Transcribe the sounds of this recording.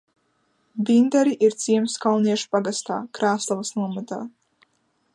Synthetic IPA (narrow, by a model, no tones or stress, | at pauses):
dind̪aɾiʔiɾt̪sʲiɛmskawniɛʃu̥paɡast̪a̰ːkɾaːslˠavasnuɔmat̪aː